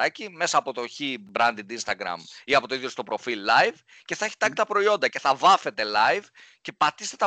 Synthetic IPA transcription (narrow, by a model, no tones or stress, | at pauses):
ɐcime̞sɐːpot̪o̞çibɾɐnd̪ind̪inst̪ɐɡɾɐ̰miɐpo̞t̪oiðjost̪opɾo̞filːɐjv | ce̞θɐeçi̥t̪ɐkt̪ɐpɾo̞io̞nd̪ɐce̞θɐvɐfe̞t̪e̞lɐjv | ce̞pɐt̪ist̪e̞t̪ɐ